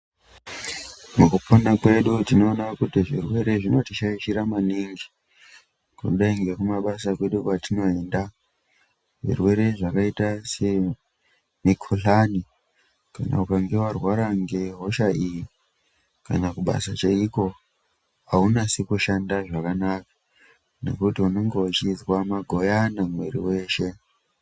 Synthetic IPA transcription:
mukuponakwe̞ɗutino̞ːnakutiʐirwe̞ɾe̞ʐino̞tiʃaiʃiɾamaniŋɡi̥ | kunoɗaiŋɡekumaɓasakwe̞ɗukatino̞eːnda | ʐḭrwe̞ɾe̞ʐakaitase̞ | mikʰoɬani | kana̰ukaŋɡe̞warwaɾaŋɡe̞ɦo̞ʃaʔiji | ka̰nakuɓa̰sat͡ʃeiko̞ | aunasekuʃandaʐakanakḁ | ne̞̰kutiuno̞ŋɡewat͡ʃizwamaɡʱo̞janamwe̞ɾḭwe̞ːʃe̞

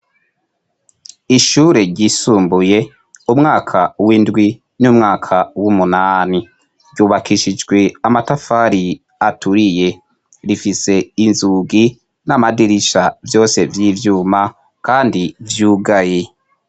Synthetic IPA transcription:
iʃuːɾe̞ɾɟisuːmbuje̞ | umŋaːkʰawindɡwi | numŋaːkʰawumunaːni | ɾɟuːβakʰiʃid͡ʒɡwe̞amatafaːɾi | atuɾije̞ | ɾifise̞inzuɡi | namadiɾiʃavjo̞ːse̞vjiːvjuːma | kaːndivjuːɡaje

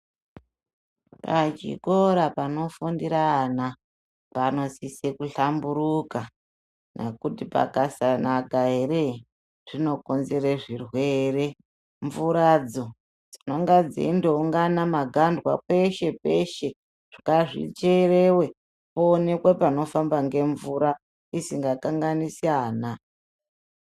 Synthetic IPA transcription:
pat͡ʃḭko̞ɾapano̞fundiɾaːna | pano̞sisekuɬambuɾuka | nʔḛkutipa̰kasanaɡaɦe̞ɾe̞ | r̥ino̞ko̞nze̞ɾeʐirwe̞ːre̞ | ɱvuɾad͡zo | d͡zino̞ŋɡad͡zḛindouŋɡanamaɡʱandwa̰ke̞ʃe̞pe̞ʃe̞ | ʐ̥ikaʐḭt͡ʃeɾewe̞ | poːne̞kwepano̞fambaŋɡe̞ɱvuɾa | isiŋɡakaŋɡanisiaːna

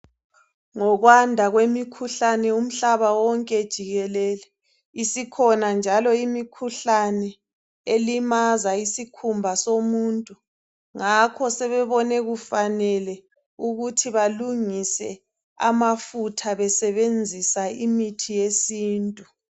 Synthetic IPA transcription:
ŋɔɣwandʱaɣwemikʰuɬanɛum̩ɬaβawɔŋkʼɛd̥ʒ̥ʱiɣɛlɛlɛ | isikʰɔnand͡ʒʱalɔimikʰuɬanɛ | elimazaisikʰumbʱasomuːntʼu | ŋakʰɔsɛβɛβɔnɛɣufanɛlɛ | uɣutʰiβaluŋisɛ | a̰mafutʰaβɛsɛβend͡zʱisaimitʰijesiːntʼu

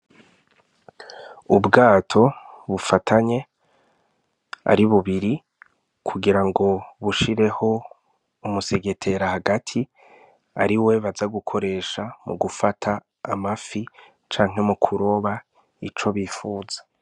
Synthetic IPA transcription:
ubɡaːtʰo̞βufatʰaɲe̞ | a̰ɾiβuβiɾi | kʰuɡiɾaŋɡo̞βuʃiɾe̞ho̞ | umuse̞ɡe̞tʰe̞ɾahaɡatʰi | a̰ɾiweβazaɡukʰo̞ɾe̞ːʃamṵɡufatʰaː | mafi | t͡ʃaːŋ̥ɦe̞mukʰuɾo̞ːβa | it͡ʃo̞βiːfuːz̥ḁ

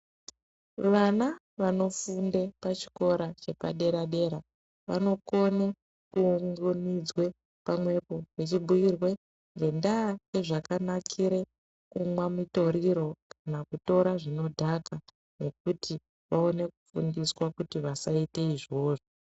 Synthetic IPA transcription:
ʋana | ʋano̞funde̞pat͡ʃi̥ko̞ɾat͡ʃe̞paɗe̞ɾaɗe̞ːɾa | ʋa̰no̞kone | kuoŋɡonid͡zwe | pamwe̞po̞wet͡ʃibuirwe̞ | ŋɡe̞ndaːreʐakanakʰiɾe | kumwamito̞ɾiɾo̞kanakuto̞ɾaʐino̞dʱaka | ne̞k̚utʰi | ʋao̞ne̞kufundiswakutiʋasaite̞iʐo̞ːʐo

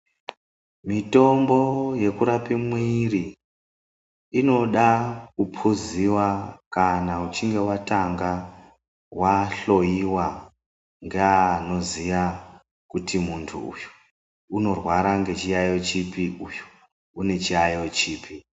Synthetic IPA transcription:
mito̞mbo̞je̞kuɾapimwiri | no̞ɗakupʰuziwakanaut͡ʃiŋɡe̞wataŋɡa | waɬo̞jiwa | ŋɡeano̞ziʋa | kutimuntʰṵːju̥ | uno̞rwaɾaŋɡe̞t͡ʃiajo̞t͡ʃipiʔuju | une̞t͡ʃiajo̞t͡ʃiːpi

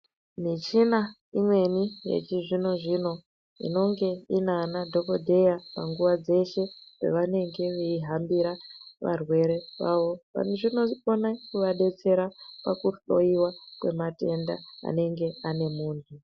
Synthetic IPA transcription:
mit͡ʃina | imwe̞nije̞̰t͡ʃiʐino̞ʐino̞ | ḭno̞ŋɡe̞inanadʱo̞ko̞dʱe̞japaŋɡuʋad͡ze̞ʃe̞kḛʋane̞ŋɡe̞ʋeiɦambiɾaʋa̰rwe̞ɾe̞ʋaʋo̞pa̰neʐino̞onakuʋaɗe̞t͡se̞ɾapakuɬo̞̰iwakwe̞mate̞ndaa̰ne̞ŋɡe̞ane̞muːntu

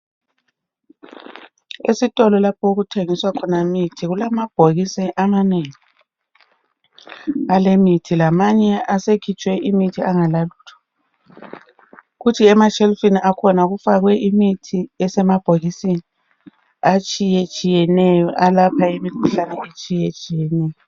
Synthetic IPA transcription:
isitʼɔlɔlapʰɔuɣutʰeŋiswakʰɔnamitʰiɣulamab̥ʱoɣisiʔamaneŋi | alemitʰilamaɲɛʔasekʰit͡ʃʼwɛʔimitʰiaŋalalu̥ːtʰɔ̥ | ɣutʰiɛmat͡ʃɛlfiniʔakʰɔnaɣufaɣwɛʔimitʰiɛsɛmab̥ʱoɣisini | at͡ʃʼijɛt͡ʃʼijɛnɛjɔʔalapʰaimikʰuɬanɛet͡ʃʼijet͡ʃʼijɛnɛːjɔ

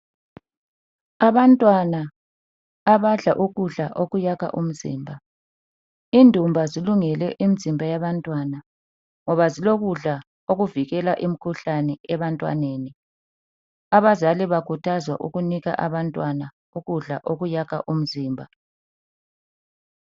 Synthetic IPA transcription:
aβantʼwana | aβaɮaʔuɣuɮaʔoɣujaɣa̰ʔum̩zḭːmbʱa | indʱumbʱaziluŋɛlɛʔimizimbʱajaβantʼwana | ŋɔβaziloɣuɮa | oɣuviɣɛlaʔim̩kʰuɬanɛɛβantʼwa̰neːni | aβazaliβakʰutʰazwa̰ʔṵɣuniɣa̰ʔaβantʼwana | uɣuɮaʔoɣujaɣa̰ʔum̩ziːmbʱa

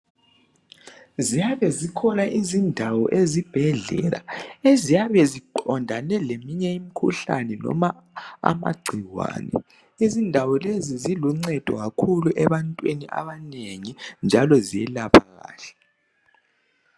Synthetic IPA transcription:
zijaβɛzikʰɔnaʔizindʱawɔʔezib̥ʱɛɮɛ̰la̰ezijaβɛziǃɔndʱanɛlemiɲɛimikʰṵɬa̰nɛnɔ̰ma | a̰ma̰ɡ͡ǀʱiwa̰ːnɛ̰ | izindʱawɔleziziluŋ͡ǀɛd̥ʱɔ̰ɣakʰuluʔɛβantʼweniʔa̰βaneŋind͡ʒʱalɔzijɛlapaɣa̰ːɬɛ̥

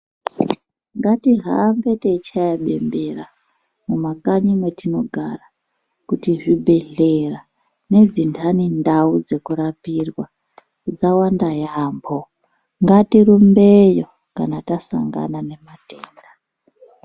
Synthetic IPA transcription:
ŋɡatiɦa̰ːmbe̞tet͡ʃajaɓe̞̰mbe̞ra | mumakaɲimwetino̞ɡʱara | kutiʐibʱe̞ɮera | ne̞d͡zintʰanindaud͡ze̞kuɾapirwa | ud͡zawandajaːmbo | ŋɡatirumbejo | kanatasa̰ŋɡa̰nane̞mateːnda

